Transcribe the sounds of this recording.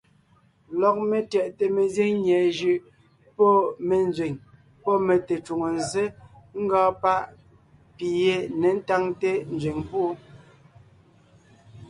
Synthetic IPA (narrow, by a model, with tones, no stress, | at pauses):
lɔ˨k̚me˨tjɛ˨ʔte˨me˨ze˦ŋɲɛ˨ʒʉ˨ʔ | pɔ˦˨me˨n˦zɥe˨ŋ | pɔ˦me˨te˨t͡ʃu˨ŋo˨n˨ze˦ŋ̩˦ɡɔː˦pa˦ʔ | pi˨je˨ne˨n̩˦ta˦ŋte˦n̩˨zɥwe˨ŋpu˦